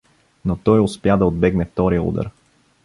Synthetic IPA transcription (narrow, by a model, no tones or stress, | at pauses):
not̪ɔjʊspjad̪ɐod̪̚bɛɡnɛt̪ɔɾiṵd̪ə̰ɾ